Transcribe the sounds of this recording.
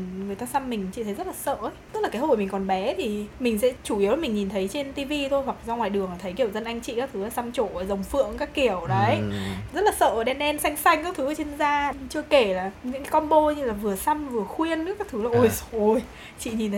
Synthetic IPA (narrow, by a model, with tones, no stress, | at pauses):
ŋɨ˨˩əjt̪aː˧sa˧mːï˨˩ŋ̟t͡ɕḭ˧˨t̪ʰə˨˦jzə˦˥t̚laː˨˩sə̰ː˧˨ʔə˨˦jt̪ɨ˦˥k̚laː˨˩kːho˧˨˩mi˨˩ŋ̟kɔ˨˩nɓɛ˨˦t̪ʰi˨˩mï˨˩ŋ̟sɛ̰˧˥t͡ɕu˧˩ʔi˨˦wla˨˩mï˨˩ŋ̟ɲi˨˩nt̪ʰə˨˦jt͡ɕe˧nt̪i˧vi˧t̪ʰo˧jhwa˨˩k̚zɔ˧ŋwaː˨˩jɗɨ˨˩əŋlaː˨˩t̪ʰə˨˦jki˧˩əwzə˧nʔa˧jŋ̟t͡ɕḭ˧˨kaː˦k̚t̪ʰɨ˨˦laː˨˩sa˧mt͡ɕo˧˩˨jzə˨˩wŋ͡mfɨ̰˧˨əŋkaː˦˥kːi˧˩əwɗə˨˦ə˦jzə˦˥t̚laː˨˩sə̰ː˧˨˩ɗɛ˧nɗɛ˧nsa˧jŋ̟sa˧jŋ̟kaː˦˥k̚t̪ʰɨ˨˦la˨˩t͡ɕi˧nzaː˧t͡ɕɨ˧əke˧˩laː˨˩ɲɨ̰˧˥ŋkːkɔ˧nɓo˧ɲɨ˧laː˨˩vɨ˨˩əsa˧mvɨ˨˩əxwi˧ənːɨ˦˥kaː˦˥k̚t̪ʰɨ˨˦la˨˩ʔo˧˩jso˨˧j | t͡ɕḭ˧˨ɲi˨˩nt̪ʰə˨˦